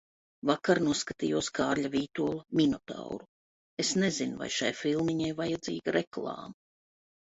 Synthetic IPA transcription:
vakaɾnuɔskat̪ijuɔskaːɾʎʲaviːt̪uɔlˠaminɔt̪a̰wɾu | esnezinva̰jʃajfilˠmiɲajvajad̪zḭːɡaɾʔeklˠɑ̰ːma

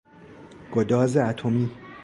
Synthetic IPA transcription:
ɡ̥od̪ɒːzeæt̪ʰomiː

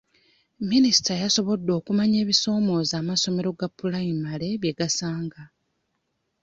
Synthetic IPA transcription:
minisi̥tajaso̞βo̞dːo̞ːkumaɲe̞ːβiso̞ːmo̞ːzaːmaso̞me̞ɾo̞ɡapːulaimale̞βjeɡasaːŋɡa

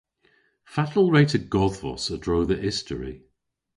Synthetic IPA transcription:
fatʰəl̩ˠɹeɪtəɡɔðvɔ̰sədɹoʊðəʔɪstəɹḭ

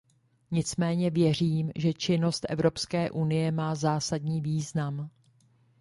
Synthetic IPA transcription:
ɲɪt͡smɛːɲɛvjɛr̝iːmʒɛt͡ʃɪno̞st̪ʔɛ̰vɾo̞pskɛːʔunɪjɛmaːzaːsadɲiːviːznam

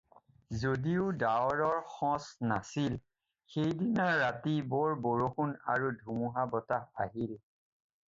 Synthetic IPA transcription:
zodiʊdaɔɹɔɹxɔ̃snasil | xejdinaɹːatibɔɹboɹoxuna̰ɹudʱumuɦabɔtaha̰ɦil

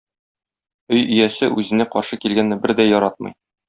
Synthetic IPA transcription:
ɵjɵ̆jæsɘʔʉzɘ̆næqɒɾʃɤkilɡænːɘbɘɾd̪æjɒɾɑt̪̚mɤ̰̆j

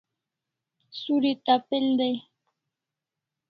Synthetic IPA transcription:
suɾit̪apeldej

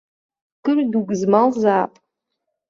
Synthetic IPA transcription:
kɨrduɡʷzmalzaːpʼ

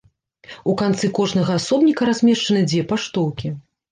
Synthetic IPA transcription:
ukant̪sɨkɔʐnɐɣɐasɔbnʲikɐɾazʲmʲɛʂt͡ʂɐnɨd͡zʲvʲɛpaʂt̪ɔwkʲi

